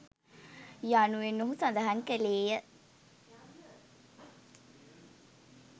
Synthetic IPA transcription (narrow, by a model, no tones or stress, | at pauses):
januenːuɦusand̪ɐɦɐŋkəleːjə